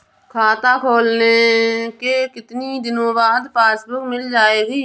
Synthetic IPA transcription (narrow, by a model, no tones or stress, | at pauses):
kʰaːt̪aːkʰoːlnekeːkɪt̪niːd̪ɪnõːbaːd̪paːsbʊkmɪld͡ʒaːeːɡiː